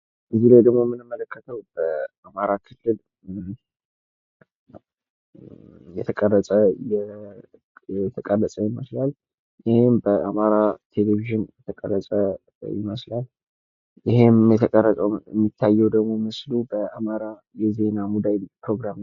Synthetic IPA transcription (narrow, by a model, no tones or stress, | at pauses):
ʔɨzilajd̪əɡmo̞mːɨnɨmːələkːət̪ʰəwb̥əamaɾakʰɨlːɨl | jɛt̪ʰəkʼərːəsʼəjɛ | ɛt̪ʰəkʼəlːəsʼəjɪməslal | jɪhembəamaɾat̪ʰe̞leviʒɨnjɛt̪ʰəkʼərːəsʼə | jɪ̰məslal | jɪhemjɛt̪ʰəkʼərət̪ʼəwɛmːit̪ʰːajːɛwd̪əɡmo̞mɨslubəamaɾa | jɛze̞namud̪anpɾoɡɾam